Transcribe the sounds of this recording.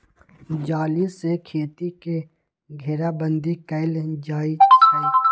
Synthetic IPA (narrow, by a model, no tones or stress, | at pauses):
d͡ʒaːlisekʰeːt̪ike | ɡʱeɾabə̃nd̪ikəɪld͡ʒaːit͡ʃʰəː